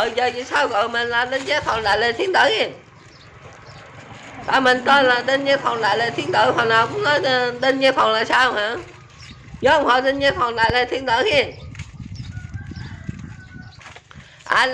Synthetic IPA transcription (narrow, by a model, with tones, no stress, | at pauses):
əː˧˨jzəː˨˩vḭ˧˨saː˧wɣɔ̰ː˧˨jmə̈˨˩ŋlaː˨˩t̪ə˧nzaː˧˥jfə˨˩wɗ̪a̰ː˧˨jlə˨˩t̪ʰi˨˦ənt̪ə̰ː˧˥xi˧ | t̪a̰ː˨˩mï˨˩ŋ̟t̪ɔ˧laː˨˩t̪ə˧nzaː˧˦jfɔ˨˩wɗ̪a̰ː˧˨jləː˨˩t̪ʰi˨˦ənt̪əː˧˦jfa˨˩wnaː˨˩wkʊ̰˧˥ŋ͡mnɔ˨˦jt̪ə˧nɲaː˧jfɔ˨˩wlaː˧˨jsaː˧whaː˧˥˨ | ɲɔ˨˦˧wŋ͡mhɔ̰˧˩t̪ə˧nzaː˧˦fə˨˩wɗ̪a̰ː˧˨jlə˨˩t̪ʰi˨˦ənt̪əː˧˥xi˧ə | ʔaː˧